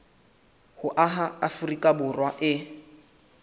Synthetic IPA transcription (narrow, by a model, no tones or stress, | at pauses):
hʊʔaɦaafurikʼabʊrwaʔɪ